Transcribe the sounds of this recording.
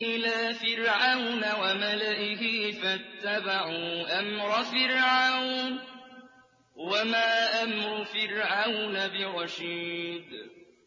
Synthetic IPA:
ʔɪlaːfɪɾʕawnawamalaʔɪhɪfat̪ːabaʕuːʔamɾˤɑfɪɾʕawn | wamaːʔamɾʊfɪɾʕawnabɪɾˤɑʃiːd̪

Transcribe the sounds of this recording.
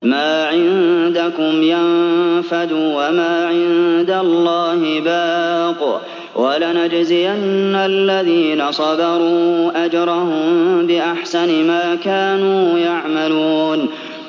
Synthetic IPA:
maːʕɪnd̪akʊmjanfad̪uːwamaːʕɪnd̪alˤːɑːhɪbaːq | wʔalanad͡ʒzɪjanːaalːaðiːnasˤɑdɑɾˤuːʔad͡ʒɾˤɑhʊmbɪʔaħsanmaːkaːnuːjaʕmaluːn

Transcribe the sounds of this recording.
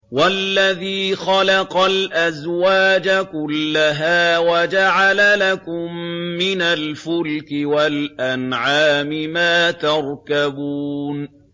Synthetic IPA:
walːaðiːxɑlɑqɑlʔazwaːd͡ʒakʊlːaɦaːwad͡ʒaʕalalakʊmːɪnalfʊlkɪwalʔanʕaːmɪmaːt̪ɑɾˤkabuːn

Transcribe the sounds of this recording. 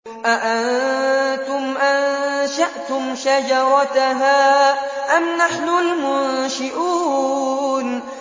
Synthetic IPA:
ʔaʔant̪ʊmʔanʃaʔt̪ʊmʃad͡ʒɑɾˤɑt̪aɦaːʔamnaħnʊlmʊnʃɪʔuː | n

